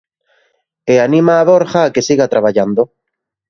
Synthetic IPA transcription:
eanĩmaːβoɾxaːkesiɣat̪ɾaβ̞aʎand̪o

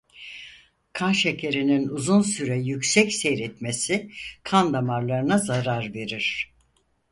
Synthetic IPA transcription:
kʰanʃecʰe̞ɾininuzunsyɾɛjycsɛcsejɾɛt̪mesikʰand̪amaɾlˠaɾɯnazaɾaɾve̞ɾiɾ̥

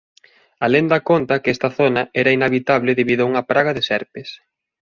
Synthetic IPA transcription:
alend̪ɐkont̪ɐkɛst̪ɐθonɐɛɾɐinaβit̪aβlɪðeβiðʊauŋɐpɾaɣɐðɪsɛɾpes

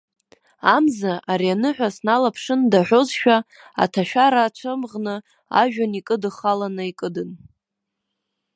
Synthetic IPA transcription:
amzaʔaɾianɨħᶣʷasnalapʰʂɨndaħʷᶣozʃᶣa | a̰tʰaʃᶣaɾaːt͡ʃʷʰɨmʁnɨ | a̰ʒᶣanikʼɨdɨχalanɨikʼɨdɨn

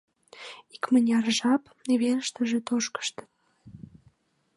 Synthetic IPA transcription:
ikmənʲɑrʒɑp̪ | eβeləʃt̪ə̆ʒet̪oʃkə̥ʃt̪ə̥̆t̪

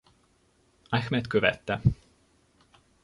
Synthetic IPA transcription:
axmɛt̪køvɛt̪ːɛ

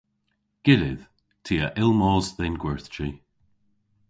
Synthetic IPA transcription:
ɡ̥ɪlɪð̥ | tʰiːəʔɪlˠmɔːzðenɡwɛɹθt͡ʃi

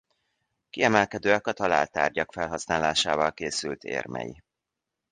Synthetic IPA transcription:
kiɛmɛlkɛd̪øːɛkɒt̪ɒlaːlt̪a̰ːrɟɒkfɛlɦɒsnaːlaːʃaːvɒlkeːsylt̪ḛːrmɛ̰jḭ

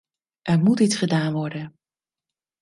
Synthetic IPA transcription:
ʔɛɹmutitsχədaːnʋɔɹdən

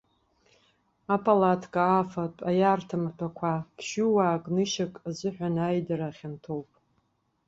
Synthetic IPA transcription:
apʰʼalatʰkʼaːfapʼajaːrtʰamapʷʰakʷʰakʰʃuwaːkʼnɨʃakʼazɨħᶣʷanajdaɾaχʲantʰowpʼ

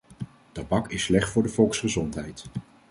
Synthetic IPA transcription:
tɑbɑkɪsːlɛχtfʊːɹdəvɔlˠksχəzɔntɦɛjt

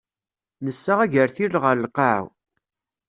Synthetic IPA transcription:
nəsːaʁæʝəɾθilʁəɾlqɑʕ̰w

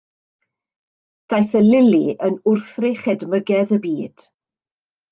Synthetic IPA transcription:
d̥ajθəlɪliʔənʊrθrɪχɛdməɡɛðəbiːd̥

